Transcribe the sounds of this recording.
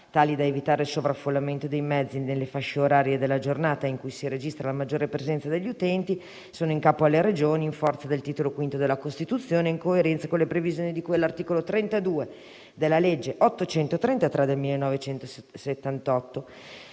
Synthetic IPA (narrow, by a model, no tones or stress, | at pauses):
t̪aːlid̪aevit̪aːɾeilsovɾafːolːament̪od̪ejmɛd̪zːinelːefaʃːeoɾaːɾjed̪elːad͡ʒornaːt̪aiŋkujsiɾed͡ʒist̪ɾalamad͡ʒːoːɾepɾezɛnt̪sad̪eʎːiut̪ɛnt̪i | soːnoiŋkaːpoalːeɾed͡ʒoːniːɱfɔrt̪sad̪elt̪iːt̪olokwint̪od̪elakost̪it̪ut̪sːjoːneiŋkoeɾɛnt̪sakõnlepɾevizjoːnid̪ikwelːart̪iːkolot̪ɾɛnt̪ad̪uːe | d̪elːaled͡ʒːeʔɔt̪ːot͡ʃɛnt̪ot̪ɾɛnt̪at̪ɾad̪elmilːenːɔvet͡ʃɛnt̪osset̪ːant̪ɔt̪ːo